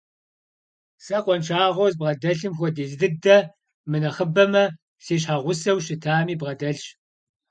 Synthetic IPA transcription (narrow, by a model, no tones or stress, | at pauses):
sɐqʷɔnt͡ʃʰaːʁʷozbʁɐdɐɬɨmxʷɔdiːɮdɨdɐ | mɨnɐχəbɐmɐ | ɬeːɕ̬ħaːʁʷʊsɐwʃɪtʰaːmiːbʁɐdɐɬɕ